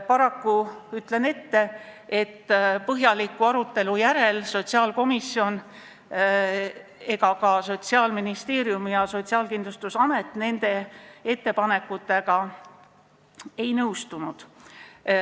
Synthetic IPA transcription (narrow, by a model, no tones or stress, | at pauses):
pɑɾɑkːuyt̪ˑle̞ne̞t̪ːe̞e̞t̪ːpɤɦjɑlikːˑuɑɾut̪ːe̞lujæɾe̞lso̞t̪ʲsiɑːlko̞misːio̞n | e̞ɡɑkɑso̞t̪ʲsiɑːlminist̪e̞ːɾiumijɑso̞t̪ʲsiɑːlkind̪lust̪usɑme̞t̪ːˑne̞nd̪̥e̞e̞t̪ːe̞pɑne̞kːˑut̪ːˑe̞ɡ̥ɑ | e̞jnɤwst̪unud̪̥